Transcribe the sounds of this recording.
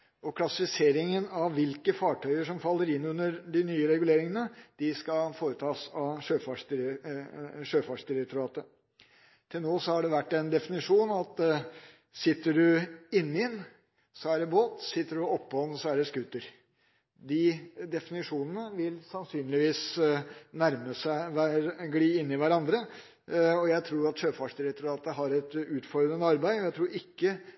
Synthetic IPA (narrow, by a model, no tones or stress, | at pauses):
ɔkʰlɑsɪfɪseːɾɪŋənɑʋʋɪlkəfɑːʈʰœʏəʂɔmfɑlːəɾɪnːʉnːəɾɖɪnyːəɾɛɡʉleːɾɪŋənəd̪̥ɪskɑfoːɾət̪ʰɑːsɑʂøːfɑʂd | ʂøːfɑʂd̪ɪɾɛk̚t̪ʊɾɑːt̪ə | t̪ʰɪlnoːsɔhɑɖɛʋæʈːɛnd̪ɛfɪnɪʂuːnɑt̪ | sɪt̪ːəɖʉɪnːɪɛn | sɔæɖɛboːt̪sɪt̪ːəɖʉɔpːəhɔnsɔæɖɛskʉt̪əɾ | d̪ɪd̪ɛfɪnɪʂuːnənəʋɪlsɑnsyːnlɪʋiːs | næɾməsæɪʋæɡliːɪnːɪʋæɾɑnd̪ɾə | ɔjæɪt̪ʰɾuːɑt̪ʂøːfɑːʂd̪ɪɾɛk̚t̪ʊɾɑːt̪əɦɑɾɛt̪ʉːt̪fɔɾd̪ɾənəɑɾbæɪɔjæɪt̪ʰɾuːɾɪkːə